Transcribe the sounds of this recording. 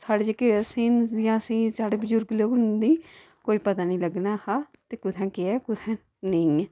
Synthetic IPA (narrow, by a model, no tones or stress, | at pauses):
saːɽeːd͡ʒekeəsiːnjãːsĩːsaːɽeːbʊzʊɾɡloːɡʊnd̪iː | koːiːpət̪aːnĩːləɡnaːha | t̪eːkʊt̪ʰɛ̃ːkɪɛːkʊt̪ʰɛ̃ː | nəĩ